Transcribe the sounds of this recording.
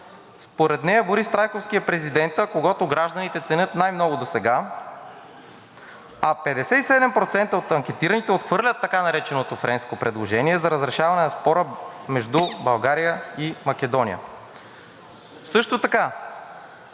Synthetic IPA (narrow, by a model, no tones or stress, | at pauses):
spoɾɛt̪nɛjɐboɾist̪ɾajkofskijɐpɾɛzid̪ɛnt̪əkoɡɔt̪oɡɾaʒd̪ɐnit̪ɛt̪sɛnʲɤt̪najmnɔɡʊd̪osɛɡa | ɐpɛd̪ɛsɛt̪isɛd̪ɛmpɾot̪sɛnt̪əot̪ɐŋkʲɛt̪iɾɐnit̪ɛot̪xvɤɾlʲɐt̪ːɐkanɐɾɛt͡ʃɛnot̪ofɾɛnskopɾɛd̪lˠoʒɛniɛzɐɾəzɾɛʃavɐnɛnɐspɔɾəmɛʒd̪ubɐlˠɡaɾijəimɐk̟ʲɛd̪ɔnḭjə̰ | sɤʃt̪ot̪ɐka